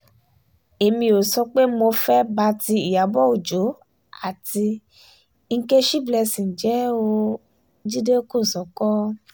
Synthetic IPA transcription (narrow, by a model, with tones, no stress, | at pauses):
e˧mĩ˧o˨sɔ˧k͡pe˦mo˧fɛ˦ba˧ti˧i˨ja˨˦bɔ˦o˨d͡ʒo˨˦ | a̰˦˨ti˧˦ | ŋ̩˦ke˦ʃi˦blɛ˧si˨n̩˨d͡ʒɛ˨˦o˧ | d͡ʒi˦de˦ko˦˨sɔ˨˦kɔ˦